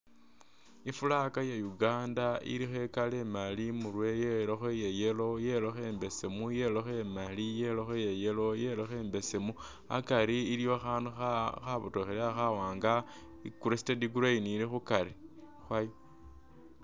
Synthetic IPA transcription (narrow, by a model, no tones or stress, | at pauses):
ifulakajajuɡaːndaḭɾixe̞kalemalimurwejeloxejejelo̞jelo̞xembe̞semujeloxemalijelo̞xejejelo̞je̞loxeːmbe̞semu | a̰kaɾiːɾijoxaːnduxaxaβutoxeleaxawaːŋɡa | ikuɾestediɡuɾainiːlixukaɾi | xwajo